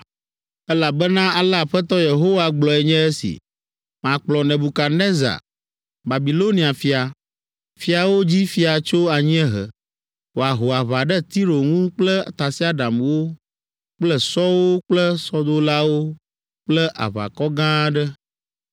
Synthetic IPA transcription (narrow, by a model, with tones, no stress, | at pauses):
ɛ˦la˨bɛ˦nã˦a˨la˦˨ɸɛ˦t̪ɔ˦je˨ɦo˦wa˨ɡ͡blɔ˨ɛ˨ɲɛ̃˦ɛ˦sḭ˨ | m˨ã˨k͡plɔ˨nɛ̃˨bu˨ka˨nɛ̃˦za̰˨ | ba˨bi˨lo˦nĩ˨a˨fi˨˦a˨ | fi˦a˨wo˦d͡ʑi˦fi˦a˨t͡ʃo˦a˨ɲĩ˦ɛ˦ɦə̰˨ | wo˨a˨ɦo˨a˨βa˨ɖɛ˦t̪i˦ɾo˨ŋũ˦k͡plɛ˦˨t̪a˨si˦a˦ɖa˨mwo˦ | k͡plɛ˦sɔ˦wo˦k͡plɛ˦sɔ˦d̪o˦la˦wo˦ | k͡plɛ˦ʔa̰˨βa̰˨kɔ˦ɡã˦ɖɛ˦